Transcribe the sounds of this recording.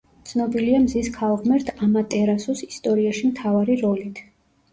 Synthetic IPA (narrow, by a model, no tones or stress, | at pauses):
t̪sʰnɔbiliamziskʰaɔʁmɛɾt̪ʰamat̪ʼɛɾasusist̪ʼɔɾiaʃimt̪ʰavaɾiɾɔlit̪ʰ